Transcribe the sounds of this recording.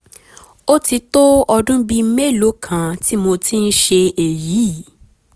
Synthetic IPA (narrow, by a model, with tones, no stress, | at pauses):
o˦ti˧to˦ɔ˧dũ˦bi˧me˦˨lo˨˦kʰã˨ti˦mo˧ti˦n̩˦ʃe˧e˨ji˨˦˨